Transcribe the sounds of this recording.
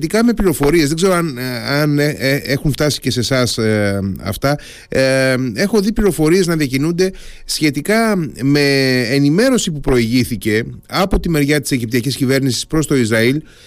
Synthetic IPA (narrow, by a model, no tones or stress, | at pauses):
t̪ikɐme̞pliɾo̞fo̞ɾie̞zðeɡze̞ɾoɐnɐnexuɱft̪ɐsi̥ce̞se̞sɐsɐ̰ft̪ɐ | e̞xo̞ðipliɾo̞fo̞ɾie̞znɐðiɐcinund̪e̞ | sçe̞t̪ikɐme̞ːnime̞ɾo̞sipupɾo̞iʝiθice̞ɐpo̞t̪ime̞ɾʝɐt̪i̥se̞ʝip̚t̪iɐciscive̞ɾnisi̥spɾo̞st̪o̞izɾɐil